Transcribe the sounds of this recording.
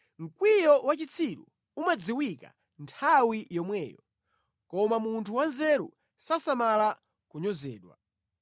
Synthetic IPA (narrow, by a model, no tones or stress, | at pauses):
ŋ̩kwijɔwat͡ʃit͡sʰiɗṵ | umad͡ziwika̰ | ntʰawijɔmwɛːjɔ̰ | kɔmamuntʰuwanzɛɾṵ | sasamala | kuɲɔzɛ̰ːɗwa̰